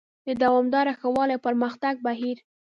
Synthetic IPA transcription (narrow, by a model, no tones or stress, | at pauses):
d̪əd̪awɑmd̪ɑɾaxawɑlajpəɾməxt̪aɡ̚baɦiɾ